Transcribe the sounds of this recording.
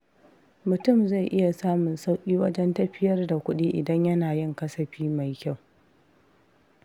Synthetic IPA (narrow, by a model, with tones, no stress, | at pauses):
mʊ˨tʊ˦˨mza˦˨jʔɪ˦ja˨saː˦mʊ˨nsa˦wkʲʼiː˦wɐ˦d͡ʒɛ˦ntɐ˦ɸɪ˦jɐ˦rda˨kʷʊ˦ɗiː˦ʔɪ̰˨dɐ˦ɲjɐ˦naː˨jɪ˦ŋkɐ˦sɐ˨ɸiː˦ma˨jkʲa˦˨w